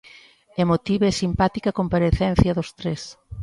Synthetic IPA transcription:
emot̪iβesimpat̪i̥kɐkompaɾeθɛn̟θjɐðʊst̪ɾes

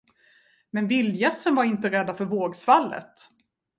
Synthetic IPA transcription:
mɛnvɪljɛsːənvaɾɪnt̪əɾɛd̪ːafœɾvoːɡsvalːə̰t̪

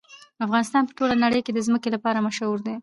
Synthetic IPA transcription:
afɣɑnɪst̪ɑnpə̥ʈolanaɽəjked̪əzməkelapɑɾamaʃawuɾd̪e

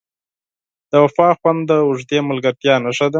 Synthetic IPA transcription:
d̪̥əwafɑxwand̪ːəʊʐd̪emʊlɡaɾt̪jɑnaʂad̪a

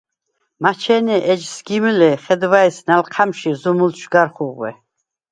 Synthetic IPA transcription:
mat͡ʃʰɛnɛʔɛd͡ʒsɡ̥imlɛχɛd̪vaɛsnalqʰamʃizumulʃɡaɾχuʁwɛ̰

